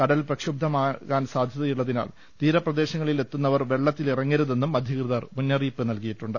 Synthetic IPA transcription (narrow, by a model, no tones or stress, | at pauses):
kɐɽɐlprɐkʂub̚d̪ʱɐmaːkaːnsaːd̪ʱjɐðɐjuɭːɐðina̰ːl | t̪iːɾɐprɐd̪e̞ːɕɐŋːɐɭile̞t̪ːunːɐʋɐrʋe̞ɭːɐt̪ːilirɐŋːeɾuðe̞nːumɐd̪ʱjɐkrɨðɐrmunːɐriːpːɨnɐlkijiʈːuɳɖɨ